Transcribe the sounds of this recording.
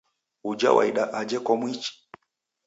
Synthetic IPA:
ud͡ʒa̰wʔa̰iɗaʔad͡ʒɛkɔmwit͡ʃi̥

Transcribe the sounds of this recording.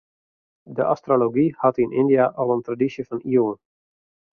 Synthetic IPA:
dəʔastroloɡihɑtinɪ̰ndijaʔɑlˠəntradisjəfɑniəwn

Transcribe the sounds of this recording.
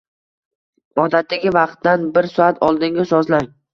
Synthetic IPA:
ɒd̪at̪ːaɡʲɪvɑqt̪ːanbɪɾsɒat̪ʰɒlˠd̪ɪŋɡʲasɒzlaŋ

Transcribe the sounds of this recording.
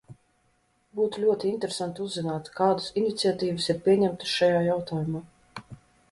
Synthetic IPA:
buːt̪ulʲuɔt̪iint̪ɾesant̪uzːinaːt̪kaːd̪asinit̪siat̪iːvɨsiɾpʲiɛɲɛmt̪ɨ̥sʃajaːjawt̪aːjumaː

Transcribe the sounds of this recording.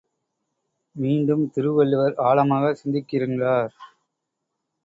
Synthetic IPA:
miːɳɖɯmt̪ɪɾɯʋɐɭːɯʋɐɾaːɭɐmaːɣɐsɪnd̪ɪkːɪɾɯŋdraːɾ

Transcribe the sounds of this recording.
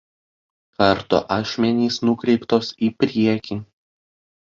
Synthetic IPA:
kɐɾt̪o̰ʔɑːʃʲmʲɛnʲiːsnʊkɾʲɛɪpt̪oːsiːpʲɾʲiɛkʲi

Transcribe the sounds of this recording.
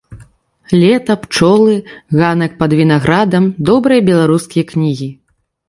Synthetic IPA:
lʲɛt̪ɐpt͡ʂɔlˠɨɣanɐk̚pɐd̪vʲin̪aɣɾad̪ɐmd̪ɔbɾɨjɐbʲɛlˠaɾuskʲijɐknʲiɣʲi

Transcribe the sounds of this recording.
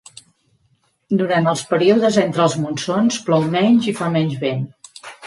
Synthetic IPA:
d̪uɾant̪əlˠspəɾiuðəzɛnt̪ɾəlˠzmunsonsplɔwmɛɲʲʒifamɛɲʲd͡ʒβen

